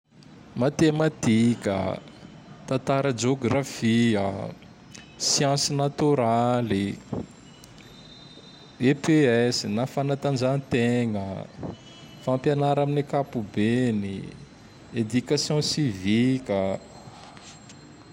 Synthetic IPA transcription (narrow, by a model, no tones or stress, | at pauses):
mat̪emat̪ikə̰ | t̪ãnt̪aɾəd͡ʒoɡrafiə̰ | sjãsinat̪uɾali | epeɛsinafanat̪and͡ʒanit̪eŋə̰ | fãmpjanaɾaminekapubeni | ed̪ykasjɔ̃sivikə